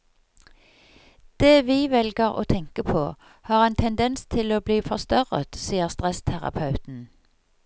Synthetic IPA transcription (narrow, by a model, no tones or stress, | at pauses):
d̪̥eːʋiːʋɛlɡəʁo̰ːt̪ʰɛŋkəpʰoː | hɑːʁeːnt̪ʰɛnd̪ɛnst̪ʰɪloːbliːfɔʁst̪œʁə̰t̪siːəʁst̪ʁɛst̪ʰæʁɑ̰pʰɑʉt̪n̩